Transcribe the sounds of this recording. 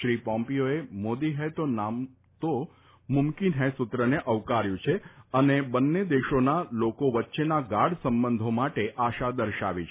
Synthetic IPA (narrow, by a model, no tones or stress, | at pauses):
ʃɾipɔ̃mpijoemod̪iɦɛt̪onam | t̪o | mʊmkinɦɛ̃sʊt̪ɾəneʔəʋkaɾjũt͡ʃʰeənebənːed̪eʃonalokoʋətːʃenaɡaɽsəmbənd̪ʱomaʈeʔaʃad̪əɾʃaʋit͡ʃʰ